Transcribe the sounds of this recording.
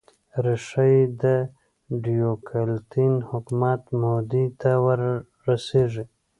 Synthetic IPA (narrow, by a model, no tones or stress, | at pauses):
ɾiʂajd̪ə | ɖijokʰalt̪inhʊkmat̪mod̪it̪awəɾː | aseʐi